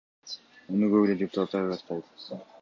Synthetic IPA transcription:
onyɡøβyled̪ʲɪpʊ̥t̪at̪ːɑɾɑt̪̚qɑlˠd̪

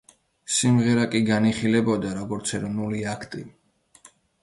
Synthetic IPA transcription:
simʁɛɾakʼiɡaniχilɛbɔd̪aɾɔɡɔɾt̪sʰɛɾɔnuliakʰt̪ʼi

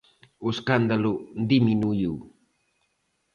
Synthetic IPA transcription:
uskand̪alund̪iminuju

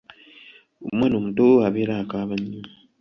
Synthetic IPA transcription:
omwaːnomutoaβeɾakaːβaɲːi

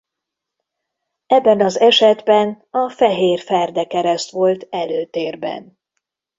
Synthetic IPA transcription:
ɛbːɛnɒzɛʃɛd̪bɛn | ɒfɛɦeːrfɛrd̪ɛkɛɾɛst̪ʋo̞lt̪ɛløːt̪eːrbɛ̰n

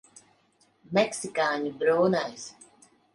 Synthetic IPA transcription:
mɛksikaːɲubɾuːnajs

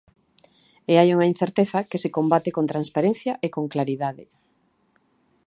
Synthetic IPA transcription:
eajuŋɐĩn̟θeɾt̪eθɐkesekombat̪ekont̪ɾanspaɾen̟θjɐʔekoŋklaɾiðaðɪ

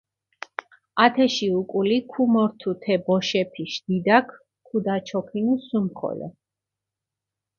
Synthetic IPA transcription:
at̪ʰɛʃiukʼulikʰumɔɾt̪ʰut̪ʰɛbɔʃɛpʰiʃd̪id̪akʰ | kʰud̪at͡ʃʰɔkʰinusumχʰɔ̰lɛ̰

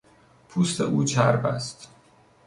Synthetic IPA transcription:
pʰuːst̪ʰḛʔuːt͡ʃʰæɾbæ̰st̪

